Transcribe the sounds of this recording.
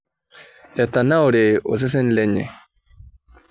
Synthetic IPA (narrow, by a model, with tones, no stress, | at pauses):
ja˨ta˨na˦o˨ɾe˨o̰˨s̬ɛ˦s̬ɛ˦n̩˦lɛ˦ɲɛ̰˨